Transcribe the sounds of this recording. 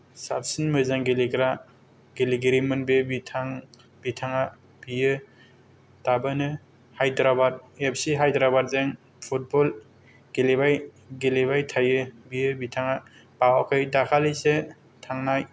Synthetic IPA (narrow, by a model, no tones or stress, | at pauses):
sap̚sinmɯzaŋɡeleɡɾa | ɡeliɡeɾimɯnbebitʰaŋ | bitʰaŋa | b̥ijɯ | tabɯnɯ | hajdɾabaɾep̚ʰsiɦajdɾabaɾzeŋ | pʰut̚bɔl | ɡ̥elebaj | ɡelebajtʰajɯbijɯbitʰaŋa | b̥awakʰɯjdakʰalise | tʰaŋnaj